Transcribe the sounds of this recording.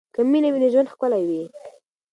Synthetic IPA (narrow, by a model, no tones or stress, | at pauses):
kaminawineʒwand̪xkəlajwi